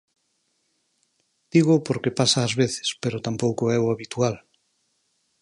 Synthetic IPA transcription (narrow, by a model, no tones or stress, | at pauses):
d̪̥iɣ̞ʊpoɾkepasaːzβeθɪ̥speɾʊt̪ampowkoɛʊaβit̪ual